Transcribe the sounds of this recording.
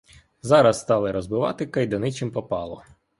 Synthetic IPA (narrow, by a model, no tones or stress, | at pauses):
zɑɾɐsːt̪ɑlˠɪɾɔzbɪʋɑ̰t̪ɪkɐjd̪ɐnɪt͡ʃɪmpɔpɑlˠɔ̰